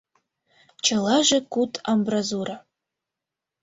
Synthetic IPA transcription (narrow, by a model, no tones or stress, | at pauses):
t͡ʃʰɐlˠaʒɐkutʰʼambrazuɾa